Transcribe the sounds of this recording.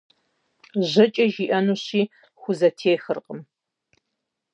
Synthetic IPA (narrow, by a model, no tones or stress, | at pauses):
ʑɐt͡ʃʼɐʒiːʔɐnuːɕiː | xʷʊzɐtʰeːxɨrqʼəm